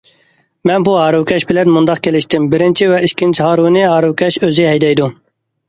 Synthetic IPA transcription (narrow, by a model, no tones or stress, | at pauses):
mɛnbuɦɑːɾuwkʲʰɛʃbɪlɛnmund̪ɑq̚kʲʰelɪʃt̪ʰɪmbɪɾɪnt͡ʃʰiwɛikʲːint͡ʃʰhɑːɾuwnɪɦɑːɾuwkʲʰɛʃøziɦɛjd̪ɛjd̪u